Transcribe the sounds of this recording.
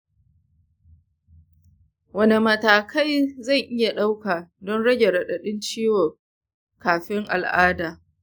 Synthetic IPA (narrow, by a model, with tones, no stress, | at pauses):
wɐ˦ne˨mɐ˨taː˨kʰa˦jzɐ˦˨ŋʔɪ˦ja˨ɗa˦wkaː˨dɔ˦nɽɐ˦ɡʲe˨ɽɐ˨ɗɐ˨ɗɪ˦nt͡ʃiː˦wɔ˨ | kaː˨ɸɪ˦ŋʔa̰˨lʔaː˦daː˨